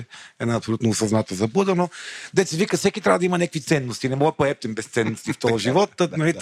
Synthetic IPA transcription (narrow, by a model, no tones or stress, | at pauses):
ɛnɛɐpsolʲut̪noːsɐznat̪əzɐbud̪ənod̪ɛt̪sɛvikɐsɛkʲit̪ɾʲavɐd̪ɐimɐnɛkvit̪sɛnːost̪inɛmɔɡd̪ɐpoɛp̚t̪ɛmbɛst̪sɛnːost̪ift̪ɔʒivɔt̪ːənɐli